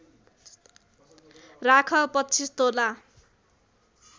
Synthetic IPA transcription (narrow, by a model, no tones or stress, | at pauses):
rakʰʌpʌtːt͡sʰist̪ola